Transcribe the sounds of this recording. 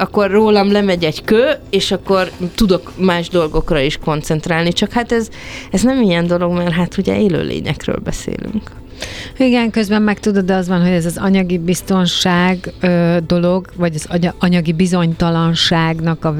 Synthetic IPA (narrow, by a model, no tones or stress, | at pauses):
ɒkːo̞rːoːlɒmlɛmɛɟɛɟkøːeːʃɒkːo̞rt̪ud̪o̞kmaːʒd̪o̞lɡo̞krɒiʃko̞nt̪sɛnt̪ɾaːlnit͡ʃɒkhat̪ɛz | ɛznɛmijɛnd̪o̞lo̞ɡmɛrɦat̪ʰuɟɛ̰eːlø̰ːlḛːɲɛ̰krø̰ːlbɛ̰sḛːly̰ŋk | iɡɛŋkøzbɛmːɛkt̪ud̪od̪ɒzʋɒnɦo̞ɟɛzɒzɒɲɒɡibist̪o̞nʃaːɡøːd̪o̞lo̞ɡvɒɟɒzɒɒɲɒɡibizo̞ɲt̪ɒlɒnʃaːɡnɒkɒ